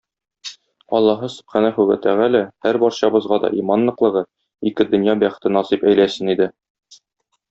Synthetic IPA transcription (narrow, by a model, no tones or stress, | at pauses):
ɒ̰lˠːɑɦɤsɵ̥̆pχænæχʉɡæt̪æʁælæhæɾbɒɾɕɑbɤ̆zʁɑd̪ɒ̰ʔimɑnlːˠɤ̆qlˠɤ̆ʁɤ | ikɘd̪ɵ̆njɑbæχɘ̥̆t̪ɘnɒsipæjlæsɘnid̪ɘ